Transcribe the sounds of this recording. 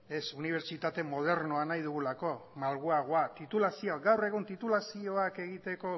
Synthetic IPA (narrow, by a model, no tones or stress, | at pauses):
e̞suniβ̞e̞ɾt͡ʃit̪at̪e̞mo̞ð̞e̞ɾno̞anajðuɣulako̞malɣuaɣ̞oat̪it̪ulasioɡawre̞ɣ̞unt̪it̪ulasio̞ake̞ɣ̞it̪e̞ko̞